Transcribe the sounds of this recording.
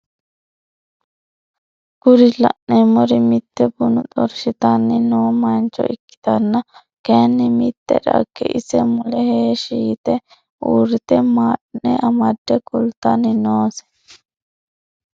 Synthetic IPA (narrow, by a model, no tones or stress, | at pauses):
ɡ̥ʊɾɪlɐ̰ʔnemɔɾɪmɪt̪ːɛbʊnʊt̪ʼɔɾʃɪt̪ɐnːɪnoːmɐnt͡ʃːɔ̰ʔɪkːɪ̥t̪ɐnːɐ | kenːɪmɪt̪ːɛ̰ᶑɐ̰kːɛ̰ʔɪsɛmʊlɛheːʃiːt̪ɛ | ʔuːɾɪt̪ɛmaːʔnɛʔɐmɐd̪ːɛkʊlt̪ːɐnɪnoːsɛ̥